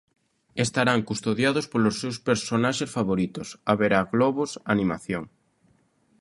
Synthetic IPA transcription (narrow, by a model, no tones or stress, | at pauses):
est̪aɾaŋkust̪oðjaðospolosːewspeɾsonaʃesfaβoɾit̪osaβeɾaɣlɔβosanĩma̰θjoŋ